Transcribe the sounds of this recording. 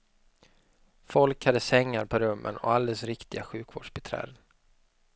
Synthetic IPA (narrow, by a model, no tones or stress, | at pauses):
fɔlkhad̪ːəsɛŋːaɾpʰɔɾɵmːʔə̰nɔ̰ald̪ɛlsɾɪkt̪ɪɡaɧʉ̟ːkvo̰ːɖʂbɛt̪ʰɾɛ̰ːd̪ən